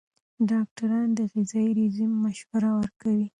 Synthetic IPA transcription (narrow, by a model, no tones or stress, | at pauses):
ɖɑk̚ʈaɾɑnd̪əɣɪzɑjiɾizimːaʃwaɾawəɾkawi